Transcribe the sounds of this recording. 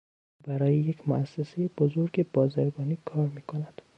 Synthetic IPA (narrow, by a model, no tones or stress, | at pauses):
bæɾɒːjejekmoʔæsːesejeb̥ozoɾɡebɒːzæɾɡɒːniːkʰɒːɾmiːkʰonæd̪̥